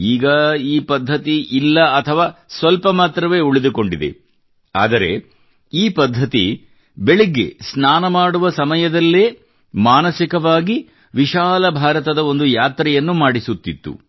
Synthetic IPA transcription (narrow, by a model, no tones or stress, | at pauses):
iːɡɐiːpɐd̪ʱːɐt̪iʔilːɐɐt̪ʰɐʋaːsʋɐlpɐmaːt̪ɾɐʋe̞ːuɭid̪uko̞ɳɖid̪e̞̰ | a̰ːd̪ɐɾe̞̰ | iːpɐd̪ʱːɐt̪ḭ | be̞ɭiɡːḛsnaːnɐmaːɽuʋɐsɐmɐjɐd̪ɐlːeː | maːnɐsikɐʋaːɡi | ʋiʃaːlɐbʱaːɾɐt̪ɐd̪ɐo̞nd̪ujaːt̪ɾɐjɐnːumaːɽisut̪ːit̪ːṵ